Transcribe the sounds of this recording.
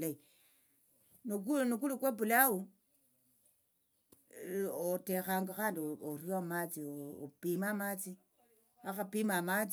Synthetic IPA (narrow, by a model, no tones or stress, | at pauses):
lai | nuk̬unukulukwep̬ulau | otexaːŋɡaxaːndioorjomat͡sioo̰pimamat͡si | axapimamat͡s